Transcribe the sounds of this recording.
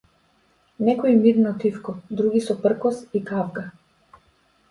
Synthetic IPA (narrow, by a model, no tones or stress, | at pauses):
nɛkɔimid̪nɔt̪ifkɔd̪ɾuɡisɔpr̩kɔsikavɡa